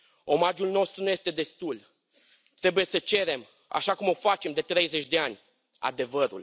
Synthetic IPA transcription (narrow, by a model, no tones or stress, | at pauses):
o̞mad͡ʒulno̞st̪ɾunuje̞st̪e̞d̪e̞st̪ul | t̪ɾe̞buje̞sət͡ʃe̞ɾe̞m | a̰ʃakumo̞fat͡ʃe̞md̪e̞t̪ɾe̞jze̞t͡ʃʲd̪e̞anʲ | a̰d̪e̞vəɾṵl